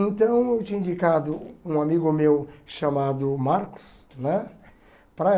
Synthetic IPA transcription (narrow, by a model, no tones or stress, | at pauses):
ẽnt̪ɐ̃w̃ewt͡ʃĩɲ̃ĩd͡ʒikad̪ʊũamiɡʊmewʃamad̪ʊmaɾkʊ̥s | nɛ̃ | pɾɐ